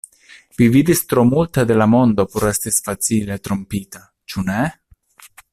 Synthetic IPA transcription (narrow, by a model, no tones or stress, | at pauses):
vividist̪ɾo̞multade̞lamo̞nd̪o̞poɾe̞stisfat͡sile̞t̪ɾo̞mpita | t͡ʃune̞